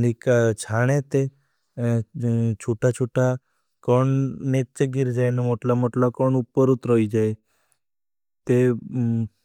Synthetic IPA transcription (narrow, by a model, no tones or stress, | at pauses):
nikat͡ʃʰaɽ̃et̪e | t͡ʃʰuʈat͡ʃʰuʈa | koɳnett͡ʃəɡiɾd͡ʒajnemoʈlamoʈlakɔɳupːəɾut̪ɾəid͡ʒae | t̪e